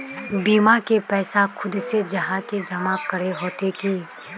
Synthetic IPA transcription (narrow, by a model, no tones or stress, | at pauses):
biːmakepɛːsakʰʊd̪sed͡ʒɐɦãked͡ʒɐmakɐɾeɦoːt̪ekiː